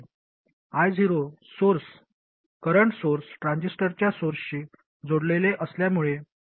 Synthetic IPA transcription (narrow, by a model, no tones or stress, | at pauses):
ajd͡ziɾosoɾs | kəɾəɳʈsoɾsʈɾãɲd͡ʑisʈəɾt͡ɕjasoɾsɕiː | d͡zoɽleleʔəsljamuɭe